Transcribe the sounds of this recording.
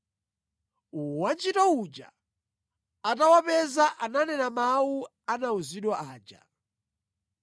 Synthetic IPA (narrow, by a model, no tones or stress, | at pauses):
uwant͡ʃʰitɔud͡ʒa̰ | atawapɛzaʔananɛnamawu | anauziɗwaʔaːd͡ʒa̰